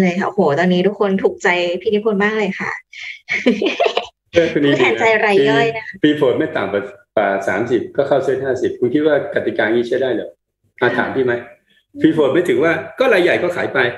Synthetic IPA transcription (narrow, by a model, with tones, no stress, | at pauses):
lɤː˧jkʰa˥˩ʔo˨˩hʰoː˨˩t̪ɔː˧nːiː˦˥t̪ʰu˦˥kʰːo˧nt̪ʰuː˨˩k̚t͡ɕa˧jpʰiː˥˩u˦˥kʰo˧nmaː˥˩k̚lɤː˧jxʰa̰˥˩ʔ | ɯː˥˩kʰu˧ni˥˩t̪ʰɛː˩˦nt͡ɕa˧jʔa˧ɾa˧jːɔ˥˩jna˦˥a˥˩fʰiː˧foː˨˩nma˥˩jt̪a̰ː˨˩mka˨˩kaː˨˩sa̰ː˩˦msi˨˩p̚kɔː˥˩kʰa˥˩wt͡ɕʰɯː˥˩˨jhaː˥˩si˨˩p̚kʰu˧nkʰi˦˥t̪̚waː˥˩ka˨˩t̪i˨˩kaː˧ŋiː˥˩t͡ɕʰa˥˩jdaː˥˩jlɛː˨˩˦ | ʔaː˧˩t̪ʰa̰ː˩˦mt̪ʰiː˥˩ma˦˥j | fiː˧foː˨˩nma˥˩jt̪ʰɯ˨˩˦ŋwaː˥˩kɔː˥˩ɾaː˧jːa˨˩jkɔː˥˩kʰaː˩˦jpa˧j